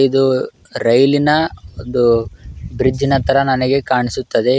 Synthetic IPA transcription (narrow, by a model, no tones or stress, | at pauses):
id̪u | ɾɐjlinɐond̪ubɾid͡ʒːinɐt̪ɐɾɐnɐnɛɡe̞kaːɳisut̪ːɐd̪e̞